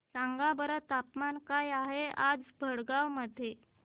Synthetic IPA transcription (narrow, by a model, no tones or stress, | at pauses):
saŋɡabəɾət̪apmankajaɦead͡zbʱəɽɡawməd̪ʱːje